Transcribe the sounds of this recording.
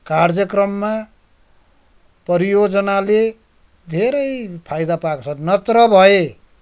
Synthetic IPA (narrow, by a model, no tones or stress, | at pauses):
kard͡zjʌkrʌmːa | pʌɾijod͡zʌnale | d̪ʱeɾʌjpʰajd̪apakt͡sʰʌnʌt̪rʌbʱʌe